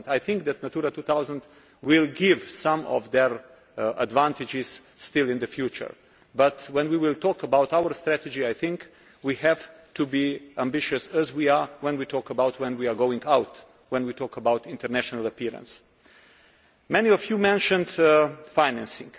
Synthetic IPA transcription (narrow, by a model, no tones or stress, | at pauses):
ndajθɪ̃ŋkd̪ɛtnatuɾatuːθawzə̃nd | wɪlɡɪvsãmɔ̰vd̪ɛɹ | ə̰dvãntɪd͡ʒɪsːtɪlɪ̃nd̪əfjut͡ʃə̰˞ | batwɛ̃nwiwɪltɔːkəbawtawəɹst̪ɾætɛd͡ʒiajθɪ̃ŋk | wihɛv̥tʰubiʔæ̃mbɪʃɨsɛzwiawɛ̃nwitʰɔːkəbawtʰwɛ̃nwiaɡoʊɪ̃ŋɡawt | wɛ̃nwitʰɔːkəbawtɪ̃ntəɾnæʃɔnələpiɾə̰̃ns | mɛniɔfjuːmɛ̃nʃə̃ndfaɪnæ̃nsɪ̰̃ŋɡ